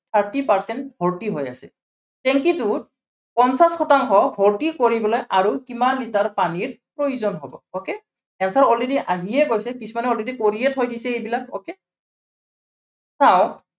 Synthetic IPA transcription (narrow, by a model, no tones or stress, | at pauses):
t̪ʰaɹtipaɹsɛntbʱɔɹtiɦoja̰sɛ̰ | tɛŋkitu | pɔnsasxɔtaŋkɔbʱɔɹtikoɹibɔlojʔaɹukimanːitaɹpaniɹpɹojuzɔnɦɔbɔ̰oke | ɛnsaɹɔlediʔaɦijɛkojsɛkisʰumanɛɔledikoɹijɛtʰojdisɛejbilako̰ke | saʊ̃